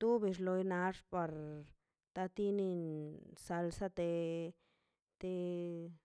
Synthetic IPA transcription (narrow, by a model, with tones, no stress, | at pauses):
t̪u˦bi˧ʂlo˧jna˧ʂpa˧ɾ | t̪a˧t̪i˦ni˧nsa˧lsa˦t̪e˧ | t̪e˧